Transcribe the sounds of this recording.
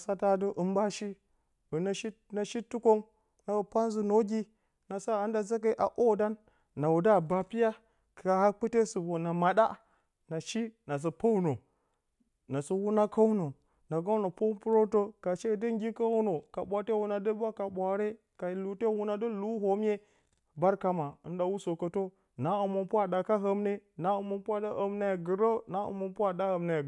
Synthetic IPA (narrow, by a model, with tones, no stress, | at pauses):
sa˦ta˦də˦ʔɨ˦mba˦ʃi˦ | u˨na˦ʃi˦ | na˨ʃi˦tːu˦ko˦ŋ | na˨u˨pa˦n˦zu˨no˦ɡʲi˦ | na˨sa˦a˨˦nda˨za˦k̬a˦ʔa̰˨ʔo˦da˦nː | a˨wu˨da˦˨ba˨pi˦ja˦ | ka˨ha˦k͡pɨ˦te˦su˨bo˨na˨ma˨da̰˦ | na˨ʃi˦na˨s̬ə˨po˦wu˦no˨ | na˨su˦wu˦na˦ka˦wu˦no˨ | na˨ɡa˦wno˨po˦pu˦ɾo˦to˦ka˨ʃe˦˨də˦ŋ˦ɡʲi˦ka˦wu˦no˨ka˨ɓʷa˨te˦wu˦na˨də˦bʷa˦ka˨ɓʷa˨ɾe˦ | ka˨i˨lu˨te˦wu˦na˦də˦lu˦ɦo˦mje˦ | ba˦ɾka˦ma˨ɨ˦nɗa˨wu˦so˨kə˦to˦ | na˨u˨mo˨pu˦a˨da˨ka˦ɦə˦mne˦na˦ə˨mo˨pu˦a˦da˦ʔə˨mna˦ja˨ɡɨ˨ɾo˦na˦ṵ˨mo˨pu˦a˦da˦hə˨mna˦ja˨